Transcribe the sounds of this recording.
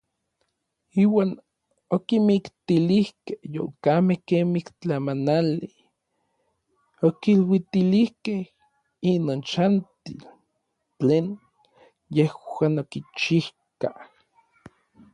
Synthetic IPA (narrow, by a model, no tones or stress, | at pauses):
iːwaːn | okimikt̪ilihkehjo̰kamehkemikt͡ɬamanali | okilwit̪ilihkeh | inoːnt͡ʃant̪il | t͡ɬeːn | jehaːnokit͡ʃih | kah